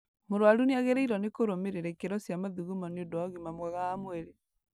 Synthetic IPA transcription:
moɾwaɾuneaɣeɾɛiɾɔnekoɾomeɾeɾɛkeɾɔsjamaðuɣumɔneodɔɣimamwaɣaːmwɛɾe

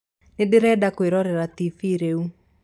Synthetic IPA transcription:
nedeɾɛdakoeɾɔɾɛɾatifiɾeu

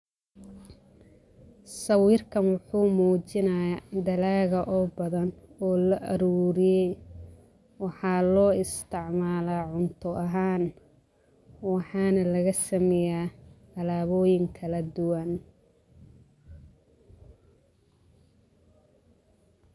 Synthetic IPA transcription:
sɐwiːrkʰɐnwʊħuːmuːt͡ʃɪnɐjad̪ɐlaːɣɐʔɔːbɐðɐnɔːlɐʔɐɾuːɾɪjɛj | wɑħɑːlɔːɪst̪ʰɪʕmaːlaːʕʊnt̪ʰʊʔɐɦaːn | wɑħɑːnɐlɐɣɐsɐmɛjaːt̪ɐlaːβɔːjɪŋkʰɐlɐd̪ʊwɐn

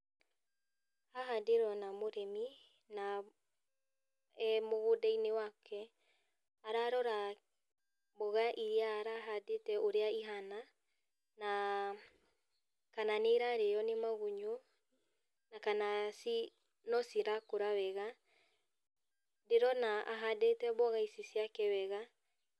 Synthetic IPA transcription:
haɦadeɾɔnamoɾɛmi | na | ɛmoɣodainewakʰɛ | aɾaɾɔɾa | boɣaʔiɾeaːɾaɦadetɛʔoɾeaiɦana | na | kananeɾaɾejɔnemaɣuɲu | nakanasi | nɔsiɾakoɾaβɛɣa | deɾɔnaʔa̰ɦadetɛβɔɣaisisjakɛwɛɣa

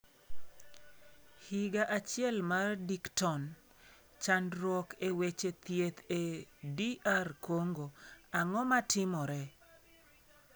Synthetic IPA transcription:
hiɡaʔat͡ʃɪɛlmardiktɔn | t͡ʃandɾwɔkewet͡ʃet̪jet̪ediʔarkoŋɡoaŋɔmatɪmɔɾɛ

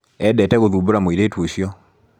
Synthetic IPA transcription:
ɛdɛtɛɣoðuːboɾamoiɾetwoɕjɔ

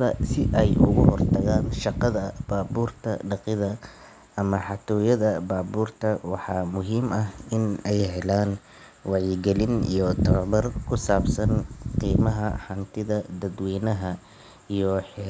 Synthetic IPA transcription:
ðɐ̰sɪʔɛjʔʊ̰ɣʊhɔrt̪ʰɐɣaːnʃɑqɑðɐb̥aːbuːrt̪ʰɐ̰ɖɑqɪðɐ | ʔɐmɐħɑt̪ʰɔːjɐðɐbaːβuːrt̪ʰɐwɑħɑːmʊɦiːmɐɦɪnɛjɦɛlaːn | wɑʕiɡɛlɪnḭjɔt̪ʰɐβɐβɐrkʰʊsaːbsɐnqiːmɐɦɐħɑnt̪ʰɪðɐd̪ɐd̪wiːnɐɦɐ | ijɔħ

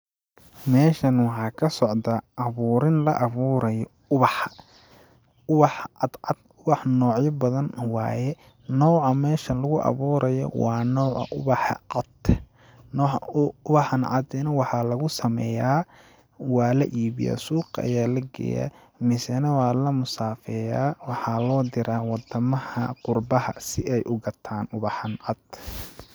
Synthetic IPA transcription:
mɛːʃɐnwɑħɑːkʰɐsɔʕd̪aʔɐβuːɾɪnlɐʔɐβuːɾɐjɔ | ʊβɑħ | ʊβɑħɑd̪ɑd̪ | ʊβɑħnɔːʕjɐbɐðɐnwɑ̰ːjɛ | nɔːʕɑmɛːʃɐnlɐɣʊʔɐ̰βuːɾʔɐjɔ̰wɑːnɔːʕɑ̰ʔʊβɑħʕɑd̪ | nɔʊβɐħɑnʕɑ̰d̪ɛnɐwɑħɑlɐɣʊsɐmɛ̰ːjaː | wɑːlɐʔiːβɪ̰ja̰ːsuːqʔɐ̰jaːlɐɡɛ̰ːja̰ | mɪsɛnɐwaːlɐmʊsaːfɛjaːwɑħɑlɔːd̪ɪɾaːwɑd̪ɐmɐhɐqʊrbɐhɐsɪʔɛjʔʊɡɐt̪ʰaːnʊβɑħɐnʕɑd̪

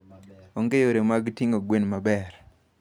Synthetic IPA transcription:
ɔŋɡejoɾemaɡtiŋoɡwenmabɛr

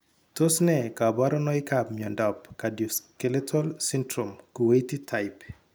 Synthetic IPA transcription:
tosnɛkabaɾɔnɔɪkabmjɔndɔpkaduskeletʰɔlsindɾomkuweititʰaɪp

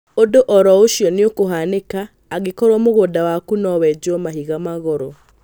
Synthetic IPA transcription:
odoʔɔɾɔoʃiɔneokoɦanekaː | ɣekɔɾɔmoɣodawakunɔwɛd͡ʒɔmaɦiɣamaɣɔɾɔ

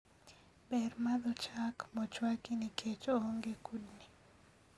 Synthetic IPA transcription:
bɛrmad̪ɔt͡ʃakmɔt͡ʃwakinikʰet͡ʃoŋɡekudni

